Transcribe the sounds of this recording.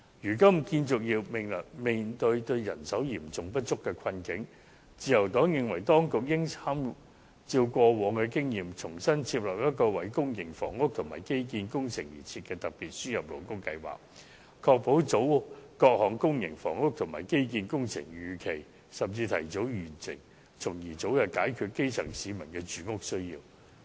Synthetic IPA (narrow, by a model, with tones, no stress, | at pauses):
jyː˨˩kɐ˥mkiː˧nt͡sʊ˨k̚jiː˧wmɪ˨˩ŋlɐ˨˩kme˨˩nt̪ɵ˧ɥt̪ɵ˧ɥjɐ˨˩nsɐ˨˥wjiː˨˩mt͡sʊ˨ŋpɐ˥t̚t͡ʃʊ˥kːɛː˧kʰɐ˧nkɪ˨˥ŋ | t͡siː˧jɐ˨˩wt̪ɔː˨˥ŋjɪ˨ŋwɐ˨˩jt̪ɔː˥ŋkʊ˨k̚jɪ˥ŋt͡sʰaː˥m | t͡siː˧wkʷɔː˧wɔː˨˥ŋkɛː˧k̬ɪ˥ŋjiː˨mt͡sʰʊ˨˩ŋsɐ˥nt͡sʰiː˧p̚lɐː˨p̚jɐ˥t̚kɔː˧wɐ˨˥jkʊ˥ŋjɪ˨˩ŋfɔ̰ː˨˩ŋʊ˥k̚t̪ʰʊ˨˩ŋmaː˨˩jke˥jk̬iː˧nkʊ˥ŋt͡sʰɪ˨˩ŋjiː˨˩t͡sʰiː˧t̚kɛː˧t̪ɐ˨k̚piː˨t̚syː˥jɐ˨p̚lo˨˩wkʊ˥kɐ˧jwa̰ː˨k̚ | kʰɔː˧k̚po˨˥wt͡so˨˥wkɔː˧k̚hɔː˨˩ŋkʊ˥ŋjɪ˨˩ŋfɔ̰ː˨˩ŋʊ˥k̚t̪ʰʊ˨˩maː˨˩jke˥jk̬iː˧nkʊ˥ŋt͡sʰɪ̰˨˩ŋjyː˨˧kʰe˨˩j | sɐ˨˩mt͡siː˧t̪ʰɐ̰˨˩jt͡so˨˥wjyː˨˩nt͡sɪ̰˨˩ŋ | t͡sʰʊ˨˩ŋjiː˨˩t͡so˨˥wjɐ˨˩kaː˨˥jkʰyː˧t̚ke˥jt͡sʰɐ˨˩ŋsiː˨˧mɐ˨˩nkɛː˧t͡ʃyː˨˧ŋʊ˥k̚sɵ˥ɥjiː˧w